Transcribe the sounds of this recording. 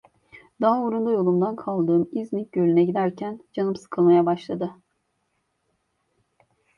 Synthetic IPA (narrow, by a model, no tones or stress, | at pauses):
d̪aoɾund̪ajo̞lˠumd̪ankʰalˠd̪ɯːmiznic̚ɟølʲynɛɟid̪æɾcʰænd͡ʒanɯmsɯ̥kʰɯlˠmajabaʃlˠad̪ɯ